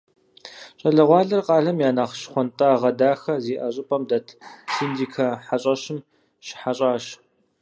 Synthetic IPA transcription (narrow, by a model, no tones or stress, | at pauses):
ɕʼɐɮɐʁʷɑːɮɐrqɑːɮɐmjaːnaːχʃχʷɔntʼɐːʁɐdaːxɐziːʔɐɕʼɪpʼɐmdɐtʰsindiːkʰɐħaɕʼɐɕɪm | ʃɪ̥ħaɕʼaːɕ